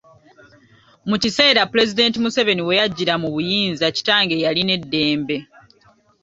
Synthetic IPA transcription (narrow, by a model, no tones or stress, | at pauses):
mucise̞ːɾapule̞zide̞ːntimuseve̞niwe̞jaɟːiɾamuβujiːnzaci̥taːŋɡe̞jaline̞dːe̞ːmbe̞